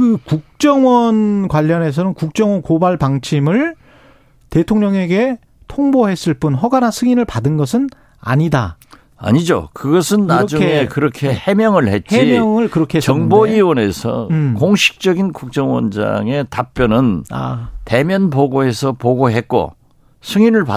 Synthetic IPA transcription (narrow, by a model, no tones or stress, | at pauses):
kɯkuk̚t͡ɕ͈ʌŋwʌnkwaʎːʌne̞s̬ʰʌnɯnkuk̚t͡ɕ͈ʌŋwʌnkobaɭpaŋt͡ɕʰimɯɭ | te̞tʰoŋɲʌŋe̞ɡe̞ | tʰoŋboɦe̞s͈ɯɭp͈unɦʌɡanasʰɯŋinɯɭpadɯnɡʌs̬ʰɯn | a̰ɲida | a̰ɲid͡ʑo̰kɯɡʌsʰɯnːaʌd͡ʑukŋe̞kɯɾʌkʰe̞he̞mjʌŋɯɭhe̞t̚t͡ɕeimjʌŋɯɭkɯɾʌkʰeɦeʌŋboiwʌne̞sʰʌ̰koŋɕʰi̥k̚t͡ɕ͈ʌɡinkuk̚t͡ɕ͈ʌŋwʌ̰nd͡ʑa̰ŋe̞tap̚p͈jʌnɯnate̞mjʌnpoɡoe̞sʰʌpoɡoɦe̞t̚k͈o̰ | sʰɯŋinɯɭpa